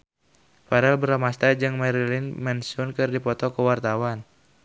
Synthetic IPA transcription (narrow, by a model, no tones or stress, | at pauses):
paɾɛlbəɾamast̪ad͡ʒɨŋmɛɾilinmɛnsʊnkɨrdipɔt̪ɔkəwart̪awan